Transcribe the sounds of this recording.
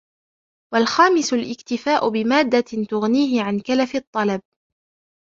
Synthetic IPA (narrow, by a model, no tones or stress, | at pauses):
walxaːmɪsʊlʔɪkt̪ɪfaːʔʊbɪmaːd̪ːat̪ʊɣniːɦɪʕankalafɨt̪ˤːɑlɑb̚